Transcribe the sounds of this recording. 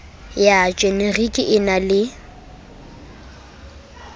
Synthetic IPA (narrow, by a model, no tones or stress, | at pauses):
jat͡ʃʼenerikʼɪʔɪnalɪ